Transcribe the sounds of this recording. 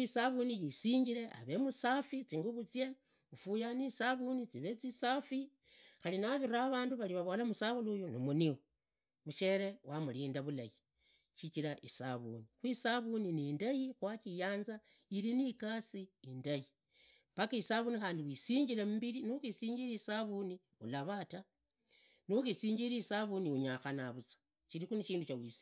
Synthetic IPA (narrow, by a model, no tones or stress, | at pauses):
isaβunijisiːɲɟile̞ʔa̰βe̞musafit͡siŋɡuβut͡sje | ufujanisaβunit͡siβe̞t͡sisafi | xalinaβiɾaβaːnduβaliβaβo̞lamusaβulujonomunio | muʃe̞ɾe̞wamuliːndaβula̰ji | ʃit͡ʃilaʔisa̰βṵnixwisaβuninindajixwat͡ʃijaːnza | ilinikasiindaji | pakaisaβunixaːndiwisiːɲɟilemubiɾinuxisiːɲɟiɾiːsaβuni | ulaβata | nuxisiːɲɟiɾiːsaβuniuɲaxanaβusḁ | ʃilixuniʃiːnduʃawisi̥